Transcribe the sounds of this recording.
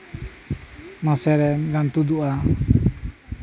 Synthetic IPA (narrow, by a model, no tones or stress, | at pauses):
masɛɾɛnɡant̪ud̪uʔa